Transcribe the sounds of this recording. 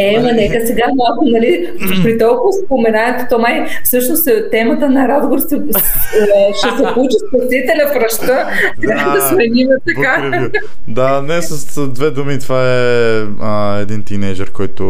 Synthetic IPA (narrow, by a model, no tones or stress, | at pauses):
ɛmɐnɛkəsɛɡamalˠkʊnɐli | pɾit̪ɔlˠkʊvɐspomɛnanɛt̪o̥t̪ɔmai | fsɤʃnost̪t̪ɛmɐt̪ənɐɾazɡoɾsɛ | ʃɛsɛput͡ʃispɐsit̪ɛlʲɐfɾɐʃt̪ə | t̪ɾʲaəd̪ɐsmɛninɛt̪ɐka | d̪anɛsɐsd̪vɛd̪umit̪ovaɛ | əɛd̪int̪inɛjd͡ʒɛɾkɔjt̪ʊ